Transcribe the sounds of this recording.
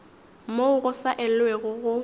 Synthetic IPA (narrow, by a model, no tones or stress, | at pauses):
moʊɣʊsaʔɪl̩weɣʊɣʊ